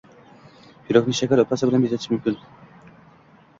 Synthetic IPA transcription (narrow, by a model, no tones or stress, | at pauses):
b̥iɾok̚niʃɛkʲæɾot̪asɯbilʲænbit̪ʰet̪ʰi̥ʃmymkʲyn